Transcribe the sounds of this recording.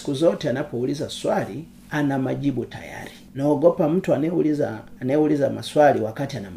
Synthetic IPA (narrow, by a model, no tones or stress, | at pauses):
i̥kuzɔtɛanapɔulizaswali | anamaʄibuta̰ja̰ɾi | nɔɔɡɔpam̩tuanɛulizaːnɛulizama̰swaliwakatianam